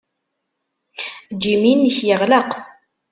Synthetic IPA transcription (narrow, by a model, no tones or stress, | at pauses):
d͡ʒiminːəçjəʁləq